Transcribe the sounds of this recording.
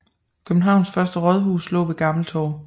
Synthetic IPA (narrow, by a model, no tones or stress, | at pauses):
kʰøb̥n̩ɦɑ̈ʊ̰nsfɶɐsd̥əʁɒð̞ˠɦuːslɔ̰̽ːʋeɡ̥ɑ̈ml̩t͡sʰɒ̰ː